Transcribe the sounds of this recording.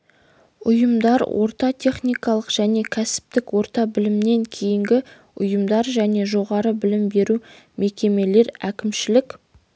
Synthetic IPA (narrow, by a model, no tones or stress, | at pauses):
ʊjəmd̪ɑɾwʔo̞̰ɾt̪ɑt̪ʲʰe̞χnijkɑlˠəqʒ̥æne̞kʲʰæsɪ̥p̚t̪ɪkwo̞ɾt̪ɑbɪlɪmne̞ŋkʲʰe̞jɪŋɡʲɪ | ʊjəmd̪ɑɾʒæne̞ʒo̞ʁɑɾəbɪlɪmbe̞ɾu | me̞kʲe̞me̞le̞ɾækʲɪmʃɪlɪkʲ